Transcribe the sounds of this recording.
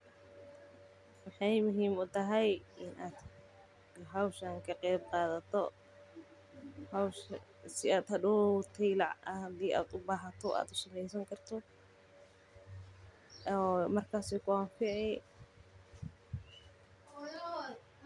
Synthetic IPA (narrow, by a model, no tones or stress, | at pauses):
wɑħɑjmʊɦiːmʊt̪ɐɦɛjʔɪnʔaːd̪ | ɦɐwʃɐŋkʰɐqɛjbqɑːðɐt̪ʰɔ̰ | hawʃ | sɪaːd̪hɐd̪ut̪ʰɛjlɑʕɐɐd̪iːʔa̰ːd̪ʊbaːɦɐt̪ʰɔʔa̰ːd̪ʊsɐlɛjsɐŋkʰɐrt̪ʰɔ | ɔːmɐrkʰaːsɛkʰʊanfɪʕɛ